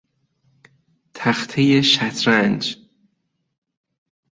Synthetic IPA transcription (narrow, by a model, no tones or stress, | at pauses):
t̪ʰæxt̪ʰejeʃæt̪ʰɾænd͡ʒ